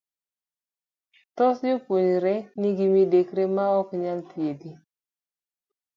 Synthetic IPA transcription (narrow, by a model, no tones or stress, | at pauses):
t̪ɔsjopwoɲɾɛniɡimidekɾemaɔkɲalt̪iedi